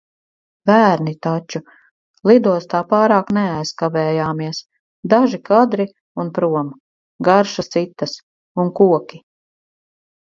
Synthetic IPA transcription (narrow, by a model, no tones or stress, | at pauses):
bæːɾnit̪at͡ʃu | lˠid̪uɔst̪aːpaːɾaːkneajskavɛːjaːmiɛs | d̪aʒikad̪ɾi | unpɾuɔm | ɡaɾʃast̪sit̪ːɐs | unkuɔkʲi